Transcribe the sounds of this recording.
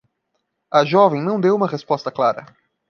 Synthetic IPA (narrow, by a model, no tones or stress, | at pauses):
ɐʒɔvẽj̃nɐ̃w̃d̪ewũmɐʁespɔst̪ɐklaɾɐ̰